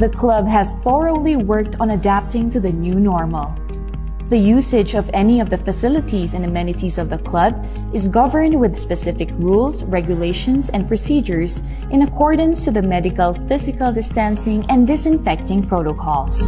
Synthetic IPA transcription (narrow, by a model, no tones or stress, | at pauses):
ðəkʰlʌbɦæzθɔɹoʊliwɜ˞k̚t̪ʰɔ̃n̩ɐdæp̚t̪ɪ̃ŋt̪uðɨnjunɔɹməlˠ | ðəjusɪd͡ʒʌvɛniʌvðəfɨsɪlɪt̪ʰizɨ̃nɨmɛ̃nɨt̪izʌvðəkʰl̥ʌb̚ | ɨzɡʌvə˞nd̚wɪðspɛsɪfɪkʰɹulˠsɹɛɡjʊleɪʃɔ̃nsɛ̃n̚pɹɔsid͡ʒəɹz | ʔɪ̃nəkʰɔɹdə̃nstuðəmɛdɪkəlˠfɪzɪkəlˠdɪstæ̃nsɪ̃ŋɛ̃ndɪsɪ̃ɱfɛk̚t̪ɪ̃ŋpɹoʊɾokʰɔlˠs